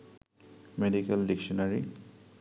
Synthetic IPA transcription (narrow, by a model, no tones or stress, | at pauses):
meɖikelɖikʃɔnaɹi